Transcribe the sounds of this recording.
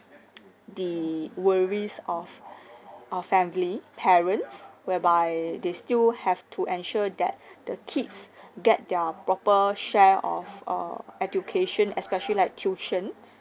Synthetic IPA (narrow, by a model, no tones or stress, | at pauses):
diwəɹisɔf | ʔəfɛ̃mlipʰɛɹə̃nswɛbajdestilhɛftʰuʔɛ̃nʃɔdɛ̰t̚d̥əkʰidsɡɛt̚dɛpɹɔpəʃɛɔ̰fə̰ɛd͡ʒjukʰeʃə̃nɛspɛʃəlilaɪk̚tʰjut͡ʃə̃n